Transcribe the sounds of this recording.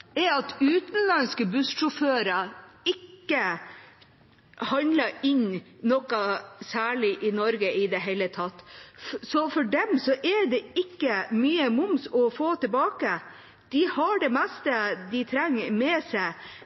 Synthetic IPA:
ɛɑt̪ʉːt̪n̩lɑnskəbʉsʂʊføːɾəɪkːə | hɑnləɪɲnnɔkːɑsæːɭɪʔɪnɔɾɡəɪd̪ɛɦɛɪlət̪ʰɑt̪ːsɔfɔɖɛmsɔʔɛɖɛɪkːəmyːəmʊmsɔfoːt̪əbɑːkə | d̪̥ɪhɑɖɛmɛst̪əd̪ɪt̪ʰɾɛŋːmɛsæɪ

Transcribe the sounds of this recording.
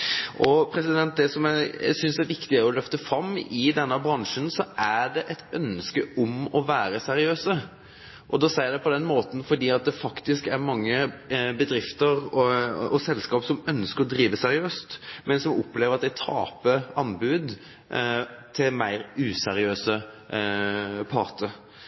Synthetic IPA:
ʔɔpʰɾɛsɪd̪ɛnt̪̚d̪ɛsɔmæsʏnsæɾʋɪkt̪ɪəɔlœft̪əfɾɑmːɪd̪ɛnːəbɾɑŋʂənsɔʔæɖɛʔɛt̪œnskəʔɔmɔʋæːɾəsɛɾɪøːsə | ʔɔd̪ɔsæɪd̪æpɔd̪ɛnmoːt̪n̩fɔɖ̪iːɑt̪̚d̪ɛfɑkt̪ɪskæɾmɑŋːəbəd̪ɾɪft̪əɾ | ɔsɛlskɑːpsɔmœnskəɾɔd̪ɾiːʋəsɛɾɪøːst̪mɛnsɔmɔpleːʋəɾɑt̪̚d̪æɪt̪ʰɑ̰ːpəɑnːbʉːd̪ | t̪ʰɪlmæɪɾʉːsɛɾɪøːsə | pʰɑʁt̪ə

